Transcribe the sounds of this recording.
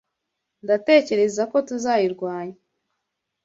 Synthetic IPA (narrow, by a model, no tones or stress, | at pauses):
ndate̞ːce̞ɾe̞zako̞tuzaːjiɾɡwaːɲa